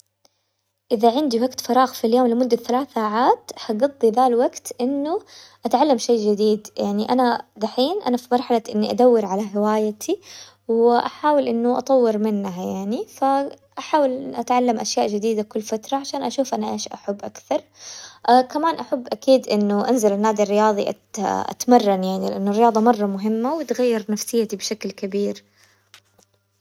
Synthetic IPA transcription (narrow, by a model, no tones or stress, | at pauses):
ʔɪðaʕɪnd̪iwaɡt̪fɑɾˤɑːɣfiljoːmlɪmʊd̪ːaθalaːθaːʕaːt̪haɡɑd̪ˤːiðaːlwaɡt̪ʔɪnːʊʔat̪ʕalːamʃejd͡ʒɪd̪iːd̪jaʕniʔanad̪aħiːnʔa̰nafimɑɾˤħalaʔɪnːiʔad̪awːɪɾʕalaɦɪwaːjat̪ʰi | wɪʔaħaːwɪlʔɪnːʊʔɑ̰t̪ˤɑwːɪɾmɪnːaɦjaʕnifa | ʔaħaːwɪlʔat̪ʕalːamʔaʃjaːʔd͡ʒɪd̪iːd̪akʊlːfat̪ɾˤɑʕaʃaːnʔaʃuːfʔanaʔeːʃʔaħabːʔakθɑɾˤʔakamaːnʔaħabːʔakiːd̪ʔɪnːʊʔanzalɪnːaːd̪irːɪjɑːðˤiʔa̰ | ʔa̰t̪mɑrˤːɑnjaʕnilɪʔanːʊrːɪjɑːðˤɑmɑrˤːɑmʊɦɪmːawɪt̪ɣajːɪɾnafsɪjːat̪ibʃaklkabiːɾ